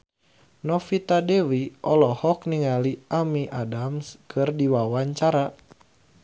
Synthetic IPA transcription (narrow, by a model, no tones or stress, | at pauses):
nɔfit̪adewiʔɔlɔhɔk̚niŋaliʔamiʔadamskʰɨrdiwawaɲt͡ʃaɾa